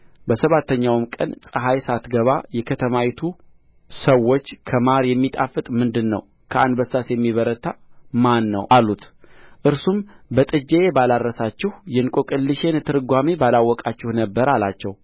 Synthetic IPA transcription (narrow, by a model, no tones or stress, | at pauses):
bəsəβat̪ːəɲːawmkʼə̰nsʼəɦajsat̪ɡəβajɛkʰət̪ʰəmait̪ʰu | səwːo̞t͡ʃːkʰəmaɾjɛmːit̪ʼafɨt̪ʼmɨnd̪ɨnːə̰w | kʰəand̪bəsasjɛmːiβəɾət̪ʰːamanːə̰wʔalːut̪ | ʔɨɾsumbət̪ʼɨd͡ʒeebalaɾːəsat͡ʃːɪhjɛnkʼokʼɨlːɨʃe̞nt̪ʰɨɾɨɡʷamebalawːɔkʼat͡ʃːɪhnəbːəɾalat͡ʃːɛw